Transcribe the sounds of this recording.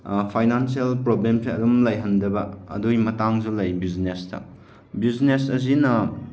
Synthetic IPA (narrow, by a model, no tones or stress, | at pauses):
pʰajnansialpɾoblemsiɐdumlɐjɦɐndɐbɐɐ̰dojmɐtaŋzulɐjbiznestɐ̰ | biznesɐz̬inɐ